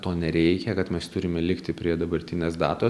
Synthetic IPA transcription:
t̪oːnʲɛɾʲɛɪkʲɛkɐt̪mʲɛst̪ʊɾʲɪmʲɛlʲɪkt̪ʲɪpʲɾʲiɛd̪ɐbɐɾʲt̪ʲɪnʲeːsd̪ɑ̰ːt̪o

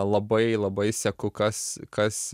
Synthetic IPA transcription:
lˠɐbɐɪlˠɐbɐɪsʲɛkʊkɐskɐs

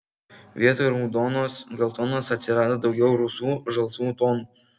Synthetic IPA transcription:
ʋʲiɛt̪oɪɾmud̪onosɡʲɛlˠt̪onoːsɐt̪ʲsʲɪɾɑːd̪od̪ɒʊɡʲɛʊɾusuːʒɐlˠsuːt̪onu

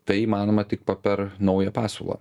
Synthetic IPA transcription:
t̪ɐɪiːmɑːnoːmɐt̪ʲɪk̚pɐpʲɛɾnɐʊjɛpɑːso̰lˠɐ̰ː

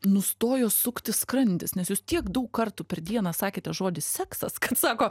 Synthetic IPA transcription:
nʊst̪oːjoːsʊkt̪ʲɪskɾɐnʲd̪ʲɪsnʲɛsjuːst̪ʲiɛkd̪ɐʊkkɐrt̪uːpʲɛrd̪ʲiɛnɑːsɑːkʲeːt̪ʲɛʒoːd̪ʲɪssʲɛːksɐskɐt̪sɑːkoː

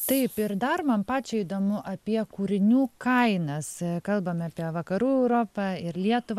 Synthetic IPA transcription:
t̪ɐɪpɪɾd̪ɐrmɐnpɑːt͡ʃʲɛid̪oːmʊʔɐpʲiɛkuːɾʲɪnʲuːkɐɪnɐskɐlˠbɐmɑːpʲiɛʋɐkɐɾuːɛʊɾoːpɑɪɾlʲiɛt̪ʊʋ

